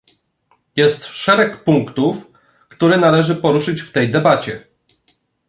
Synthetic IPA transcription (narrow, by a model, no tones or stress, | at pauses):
jɛst̪ʂɛɾɛkpuŋkt̪uf | kt̪uɾɛnalɛʐɘpɔɾuʂɘt͡ɕft̪ɛjd̪ɛbat͡ɕɛ